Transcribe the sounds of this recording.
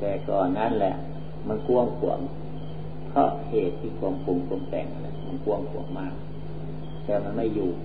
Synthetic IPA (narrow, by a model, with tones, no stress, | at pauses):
t̪ɛː˨˩kɔː˨˩nːa˦˥˨nlɛ̰˧˩ʔ | ma˧˨nku˧əŋkʰu˨˩˦əŋ | pʰɾɔ̰˦˥ʔheː˨˩t̪ʰːiː˧˩kʰu˧əŋkʰo˧ŋkʰu˧əmt̪ɛ̰ː˨˩ŋʔa̰˧˩lɛ̰˧ʔma˧˨nku˧˥˧əŋkʰu˨˩˦əŋmaː˧˩k̚ | t̪ɛː˧˩ma˧˨nma˧˥˩juː˨˩